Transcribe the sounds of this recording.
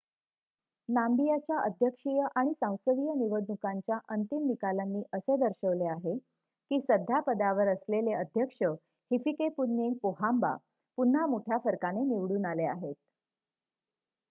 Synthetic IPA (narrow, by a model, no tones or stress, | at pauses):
nambijat͡ɕjaʔəd̪ʱjəkʂijəʔaɽ̃isãw̃səʋijəniʋəd̪nukaɲt͡ɕjaʔənt̪imnikalanːiːʔəsed̪əɾɕəʋleaɦe | kiːsəd̪ʱjapəd̪aʋəɾəsleleəd̪ʱjəkʂə | hifikepunːeŋɡ̚poɦamba̰ | pun̤ːamoʈʰjafəɾkaneniʋɽuːnalea̰ɦet̪̚